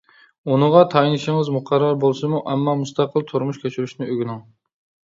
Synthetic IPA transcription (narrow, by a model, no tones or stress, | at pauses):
unɨʁɑt̪ʰɑjinɨʃɪŋɨzmuqʰɑɾːɑɾbolˠsɨmuʔɛmːɑmust̪ɑqʰəlˠt̪ʰuɾmuʃkʲʰøt͡ʃʰyɾyʃnɪøɡʲynɪŋ